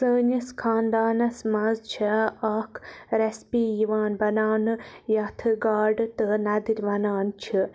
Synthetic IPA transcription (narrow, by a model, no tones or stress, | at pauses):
səːɲɨskʰaːnd̪aːnɐsmɐzt͡ʃʰɐaːkʰɾespiːjiʋaːnbɐnaːnɨjɐt̪ʰɨɡaːɾɖɨt̪ɨnɐd̪iɾʲʋɐnaːnt͡ʃʰi